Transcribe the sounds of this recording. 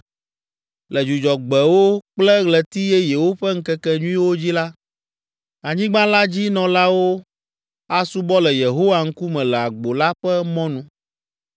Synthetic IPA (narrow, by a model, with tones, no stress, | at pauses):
lɛ˨d͡ʒu˨d͡ʒɔ˨ɡ͡bɛ˨wo˦k͡plɛ˦ɣlɛ˨t̪i˦jɛ˦je˨wo˦ɸɛ˦ŋ̩˦kɛ˦kɛ˦ɲũ˦ĩ˦wo˦d͡ʑi˦la˦ | a˨ɲĩ˦ɡ͡bã˦la˦d͡ʑi˦nɔ̃˨la˦wo˦ | a˦su˦bɔ˦lɛ˨je˨ɦo˦wa˨ŋ̩˦ku˦mɛ̃˨lɛ˨a˨ɡ͡bo˨la˦ɸɛ˦mɔ̃˦nũ˦